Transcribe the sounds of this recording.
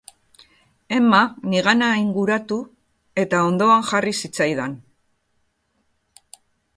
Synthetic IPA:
e̞maniɣanaiŋɡuɾat̪u | e̞t̪ao̞nd̪o̞aŋʝarisit͡sajðan

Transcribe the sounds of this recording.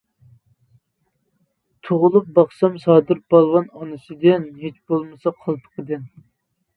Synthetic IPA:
t̪ʰoʁʊlˠup̚bɑχsɑmsɑːd̪ɨɾb̥ɑlˠwɑnɑnɨsɨd̪ɪnɦet͡ʃbolˠmɨsɑqʰɑlˠt̪ʰə̥qʰəd̪ɨn

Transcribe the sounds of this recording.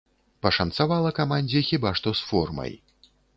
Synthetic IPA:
pɐʂɐnt̪savalˠɐkamanʲd͡zʲixʲibaʂt̪ɔsfɔrmɐ̰j

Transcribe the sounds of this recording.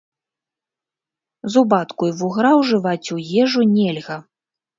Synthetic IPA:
zubat̪kujvuɣɾawʐɨvat͡sʲujɛʐunʲɛlʲɣɐ

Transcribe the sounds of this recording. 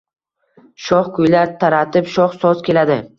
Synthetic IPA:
ʃɒχkʰʊjlaɾt̪ʰaɾat̪ʰɪpʃɒχsɒzkʲʰe̞lad̪ɪ

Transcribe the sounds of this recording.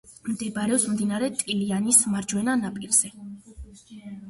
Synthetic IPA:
md̪ɛbɾɛɔpsmd̪inaɾɛt̪ʼilianismaɾd͡ʒwɛnanapʼiɾz̥ɛ

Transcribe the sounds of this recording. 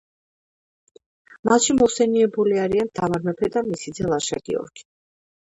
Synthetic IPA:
mat̪ʃimɔsɛniɛbuliaɾiant̪ʰavaɾmɛpʰɛd̪amisid̪zɛlˠaʃa̰ɡḭɔ̰ɾkʰi̥

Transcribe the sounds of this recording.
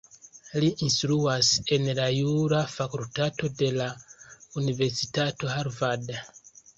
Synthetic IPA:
liʔinstɾuase̞nlajuɾafakultato̞de̞launive̞ɾsitato̞ɦaɾvad

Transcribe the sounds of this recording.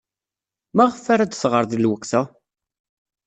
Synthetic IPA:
mæʁəfːaɾad̪θʁəɾðilwəkθæ

